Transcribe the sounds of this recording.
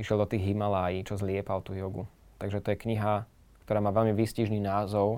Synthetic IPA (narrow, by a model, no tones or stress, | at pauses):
iʃɪɛlˠd̪ɔt̪iːɣɦimalaːjiːt͡ʃɔzlɪɛpalt̪uːjɔɡu | t̪aɡʒɛt̪ɔjɛkɲiɦa | kt̪ɔɾaːmaːʋɛlmiʋisciʒniːnaːzɔʊ